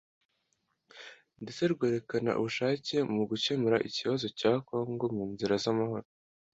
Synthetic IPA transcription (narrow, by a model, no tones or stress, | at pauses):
nndet͡se̞ɾɡwe̞ːɾe̞kana̰ʔṵβuʃaːce̞muɡut͡ʃe̞muɾaʔiciβazo̞caːko̞ːŋɡo̞muːnziɾazamaho̞ɾo